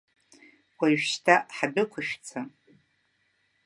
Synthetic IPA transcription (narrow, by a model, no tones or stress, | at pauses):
wʷaʃtʰaħabɨkʷʰʊʃᶣt͡sʰa